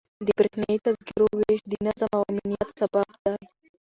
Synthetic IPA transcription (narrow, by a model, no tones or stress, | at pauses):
d̪əbɾexnait̪ɐzkiɾoweʃd̪inazamawaminijɐt̪sɐbabd̪aj